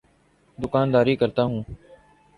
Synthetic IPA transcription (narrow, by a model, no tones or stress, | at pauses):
d̪ʊkaːnd̪aːɾiːkəɾt̪aːɦũː